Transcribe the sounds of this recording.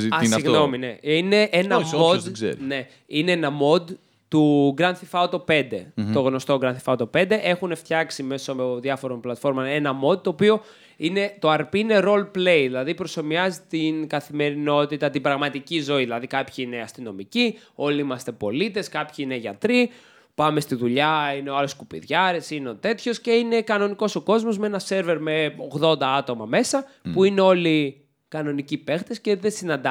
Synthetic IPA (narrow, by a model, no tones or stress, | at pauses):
siɣno̞minḛine̞ʔenɐmoszḛɾne̞ | ine̞enɐmo̞d̪ | t̪uɡɾɐnθifɐot̪o̞pe̞nd̪e̞t̪o̞ɣno̞st̪o̞ɡɾɐnθi̥fɐot̪o̞pe̞nd̪eʔe̞xune̞ft̪çɐksime̞so̞ðjɐfo̞ɾonplɐt̪fo̞ɾmɐnenɐmo̞d̪̚t̪o̞ːpio̞ | ine̞t̪o̞ɐɾpiine̞ɾo̞lple̞jðilɐðipɾoso̞miɐzit̪inkɐθime̞ɾino̞t̪it̪ɐt̪ibɾɐɣmɐt̪icizo̞iðilɐðikɐpçiine̞ɐst̪ino̞mici | o̞liimɐst̪e̞po̞̰lit̪e̞skɐpçiine̞ʝɐ̰t̪ɾi | pɐme̞st̪iðuʎɐineoɐlo̞skupḭðʝɐɾesineo̞t̪e̞t̪ço̞sce̞ine̞kɐno̞niko̞so̞ko̞zmo̞zmeenɐse̞ɾve̞ɾme̞o̞ɣðo̞nd̪ɐɐt̪o̞mɐme̞sɐpuine̞o̞li | kɐno̞nicipe̞xt̪e̞sce̞ðe̞sinɐnd̪ɐ